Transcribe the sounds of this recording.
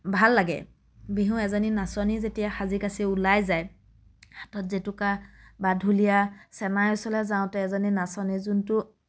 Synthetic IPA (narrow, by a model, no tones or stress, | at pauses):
bʱalːaɡɛ̰ | biɦũɛzaninasɔnizetijaxaziɡasiulajzaj | hatɔtzitukabadʱulijasɛnajɔsɔlɛzãʊ̃tɛɛzaninasɔnizuntʊ